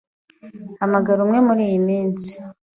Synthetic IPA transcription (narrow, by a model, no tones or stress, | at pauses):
hamaɡaɾumŋe̞muɾiːjimiːnsi̥